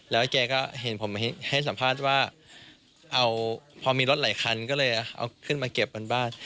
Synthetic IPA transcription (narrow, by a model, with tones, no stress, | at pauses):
lɛː˦˥wkɛː˧kɔː˥˩ɦe˨˩˦npʰo˩˦mɦe˦nha˥˩jsa˩˦mpʰaː˥˩t̪̚waː˥˩ | ʔa˧wpʰɔː˧miː˧ɾo˦˥t̪̚laː˩˦jkʰa˧nkɔː˥˩lɤː˧jʔa˨˧ʔa̰˧wkʰɯ˥˩nmaː˧ke˨˩p̚kaː˧nbaː˥˩n